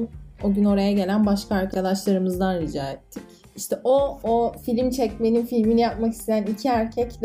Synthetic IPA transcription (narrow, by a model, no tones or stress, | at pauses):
oɟʲyno̞ɾajaɟe̞lʲænbaʃkaːɾkʰad̪aʃlˠaɾɯmɯzd̪anɾid͡ʒaːɛt̪ʰːic | iʃt̪ʰɛʔoofilʲimt͡ʃʰɛcmeininfilʲminijap̚maki̥st̪ʰe̞jænicʰiæɾcʰɛcd̪